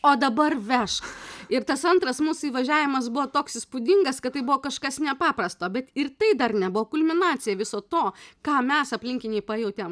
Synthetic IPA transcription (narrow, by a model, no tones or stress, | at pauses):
oːd̪ɐbɐrʋʲɛʃkɪrt̪ɐsɐnt̪rɐsmuːsʊiːʋɐʒʲæːʋʲɪmɐsbʊʋoːt̪oːksɪspʊd̪ʲɪŋɡɐskɐt̪ːɐɪbʊʋoːkɐʃkɐsnʲɛpɑːpɾɐst̪oːbʲɛt̪ɪrt̪ɐɪd̪ɐrnʲɛbʊʋoːkʊlʲmʲɪnɑːt̪sʲɪjɛʋʲɪsoːt̪oːkɑːmʲɛsɐpʲlʲɪŋʲkʲɪnʲɛɪpɑejɛʊt̪ʲɛm